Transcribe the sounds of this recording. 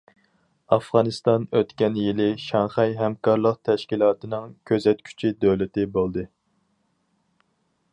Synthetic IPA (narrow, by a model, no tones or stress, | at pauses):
ɑfʁɑnɨst̪ɑnøt̪kʲɛnjilɪʃɑŋχɛjɦɛmkʰɑɾlˠəqt̪ʰɛʃkʲilˠɑːt̪ɨnɨŋkʲʰøzɛt̪̚kʲʰy̥t͡ʃʰid̪øwlɪt̪ɪbolˠd̪ɨ